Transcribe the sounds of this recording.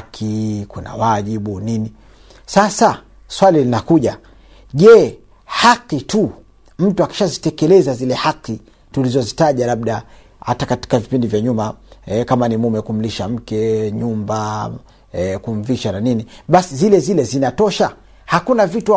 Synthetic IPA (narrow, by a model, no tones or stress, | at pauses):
kʰikuna̰waʄiɓunini | sasa | swalilinakuʄa | ʄɛ | haqitu | m̩tuaki̥ʃazitɛkɛlɛzazilɛhaqːi | tulizɔzitaʄalaɓɗa | hatakati̥kavipindivjaɲumaɛkamanimumɛkum̩liʃam̩kɛɲumba | kuɱ̩viʃananiniɓasizilɛzilɛzinatɔʃa | hakunavitu